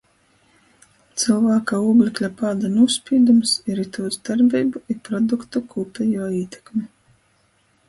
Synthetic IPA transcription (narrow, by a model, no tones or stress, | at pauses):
t̪sɨlˠvaːkauːblʲiklʲapaːd̪anuspʲiːd̪umsiɾit̪ʰuɔzd̪aɾbʲiːbuʔipɾɔd̪ukt̪ukʰulpʲɛjuɔiːt̪ʲɛ̥kmʲi